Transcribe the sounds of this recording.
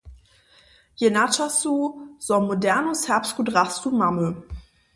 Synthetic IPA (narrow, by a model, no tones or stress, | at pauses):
jenat͡ʃasuz̥ɔmodɛɐnoshɛɐpstɡ̥udʁastumamø